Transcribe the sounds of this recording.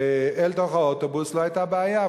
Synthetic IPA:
ɛltoχaɔtobʊslohaɪjtabəaja

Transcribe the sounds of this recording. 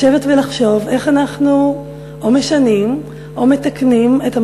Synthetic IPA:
e̞vetvelaχʃo̞ve̞χanaχnu | ome̞ʃanim | ʔo̞me̞taknimeta

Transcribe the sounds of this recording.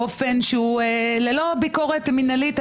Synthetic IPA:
ofenʃeulelo̞biko̞ʁet̪minalit̪

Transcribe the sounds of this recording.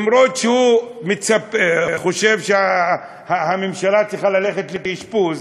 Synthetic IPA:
mɾotʃehumet͡sapeχo̞ʃe̞vʃea | hahamemʃalat͡siχalale̞χetletiʃpuz

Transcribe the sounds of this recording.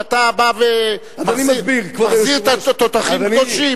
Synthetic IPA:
at̪abave | maanimabiʁkvaχziʁt̪at̪ot̪aχimkdoʃi

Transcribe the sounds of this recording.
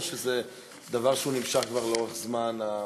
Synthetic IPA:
ʃeze | d̪avaʁʃeunimʃaχkvaʁleo̞ʁeχzmana

